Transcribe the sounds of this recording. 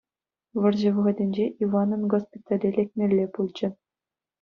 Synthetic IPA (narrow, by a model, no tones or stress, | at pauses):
ʋɤ̆rʑɘ̆ʋɤ̆ʁɤ̆dʲenʲd͡ʑeʔiʋɑnɤ̆nɡospʲit̪ɑlʲelʲekʲmʲerʲːepulʲd͡ʑɘ̆